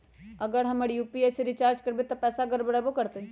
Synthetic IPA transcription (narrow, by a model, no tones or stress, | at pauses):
ɐɡəɾɦɐməɽijuːpieseɾit͡ʃaːɾd͡ʒkɐɾbet̪ɐpɛːsaɡəɾbəɽabokɐɾt̪e